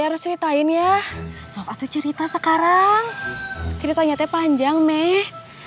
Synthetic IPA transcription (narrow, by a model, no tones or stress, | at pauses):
aɾʊst͡ʃəɾit̪aɪnjasopat̪ut͡ʃəɾit̪asəkaɾaŋt͡ʃəɾit̪aɲat̪ɛpaɲd͡ʒaŋmɛh